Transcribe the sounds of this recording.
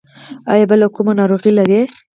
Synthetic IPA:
ɑ̰jabəlakumanɑɾoɣilaɾe

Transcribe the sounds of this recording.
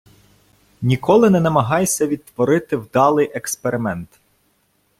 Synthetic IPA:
nʲikɔlˠɪnɛnɐmɐɦɑjsʲɐʋʲid̪̚t̪ʋɔɾɪt̪ɪwd̪ɑlˠɪjʔekspeɾɪmɛnt̪

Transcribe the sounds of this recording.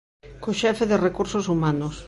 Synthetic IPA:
koʃɛfeðerekuɾsosumanos

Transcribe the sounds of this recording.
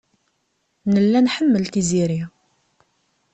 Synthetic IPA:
nəlːænħəmːəlt̪iziɾi

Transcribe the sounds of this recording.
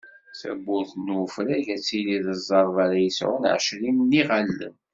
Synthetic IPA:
θæ̰bːʊɾθnwəfɾæʝæt͡sːiliðəzˤːɑɾˤvaɾajəsʕʊ̰nʕə̰ʃlinnːiʁalːə̰n

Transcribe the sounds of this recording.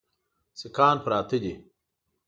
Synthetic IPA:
sikaːnpɾaːt̪id̪i

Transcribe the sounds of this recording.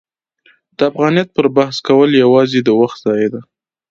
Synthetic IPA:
d̪̥əafɣɑnjɑt̪̚pəɾbahskawəljawɑzed̪əwaxt̪z̥ɑjed̪a

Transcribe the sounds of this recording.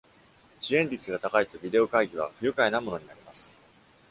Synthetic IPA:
ɕiẽ̞ɲʲit͡sɨɡat̪akait̪o̞bʲid̪e̞o̞kaiɡʲiβ̞aɸɯ̟jɯ̟kaenamo̞no̞ɲ̟inaɾʲimasɨ̥

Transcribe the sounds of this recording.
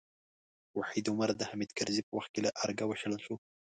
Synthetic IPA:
waħid̪omaɾd̪ahamid̪kaɾzipəwaxt̪̚kelaʔaɾɡawaʃəlaʃu

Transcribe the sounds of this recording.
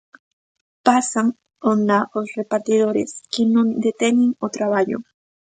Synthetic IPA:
pasaŋ | onaʔosrepaɾt̪iðoɾḛskenod̪et̪enɪŋot̪ɾaβaʎo̰

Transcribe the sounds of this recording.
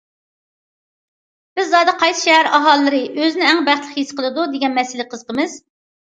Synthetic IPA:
b̥ɪzːɑːd̪ɨqʰɑjsɨ̥ʃɛɦæɾɑɦɑlˠːɨɾɨʔøzɪnɪæŋbæχt̪lˠəχhisqʰəlˠɨd̪ud̪ɪɡʲɛnmɛsɪlɪqʰəzqʰəmɨz

